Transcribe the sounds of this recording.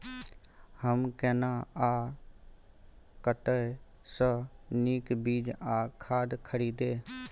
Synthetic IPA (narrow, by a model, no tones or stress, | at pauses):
həmkɛːnaaː | kəʈə | səniːkbiːd͡ʒaːkʰaːd̪kʰəɾiːd̪eː